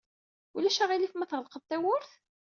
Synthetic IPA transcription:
ulæʃæʁilifmæθʁəlqəðt̪æwʊɾθ

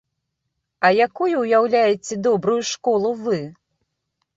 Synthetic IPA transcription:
ɐjakujuːjawlʲajɛt͡sʲɛd̪ɔbɾujuʂkɔlˠuvɨ

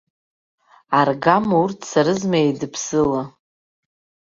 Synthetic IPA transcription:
arɡamurtʰsaɾɨzmaedɨpʰsɨla

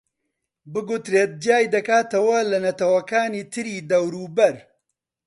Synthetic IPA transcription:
bɨɡut̪ɾeːt̪̚d͡ʒjaːjd̪ɐkaːt̪ɐwɐlɐnɐt̪ɐwɐkaːniːt̪ʰɨɾiːd̪ɐwɾuːbɐɾ

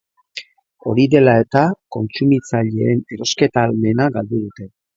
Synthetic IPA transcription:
o̞ɾiðe̞lae̞t̪ako̞nt͡sumit͡saʎe̞ːneɾo̞ske̞t̪aːlme̞naɡald̪uð̞ut̪e̞

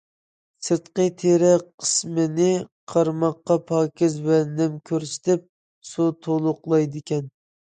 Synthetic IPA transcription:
sɨt̪qət̪ʰeɾɛqʰə̥smɪnɪqʰɑɾmɑqːɑpʰɑːkʲɪzwɛnɛmkʲʰøɾsɪ̥t̪ɪp̚ | sut̪ʰolˠʊqlˠɑjd̪ɪkʲɛn

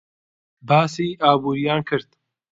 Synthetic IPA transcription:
baːsiːʔaːbuːɾijaːnkʰɨɾd̪̥

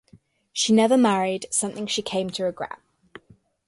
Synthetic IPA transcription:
ʃinɛvəmaɹɪd̥sʌ̃mθɪ̃ŋʃikʰẽɪ̃mtʰəɹɪɡɹɛ̰ʔ̚

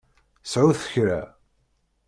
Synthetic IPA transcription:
sʕʊθə̥çɾæ

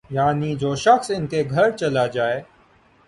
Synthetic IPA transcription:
jaːniːd͡ʒoːʃəxsɪnk̪eːɡʱəɾt͡ʃəlad͡ʒaːeː

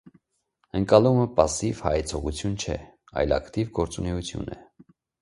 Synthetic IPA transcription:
əŋkɑluməpɑsivhɑɛt͡sʰɔʁut͡sʰjunt͡ʃʰɛ̰ | ɑ̰jlɑ̰kt̪ivɡɔɾt͡sunɛut͡sʰjṵnɛ

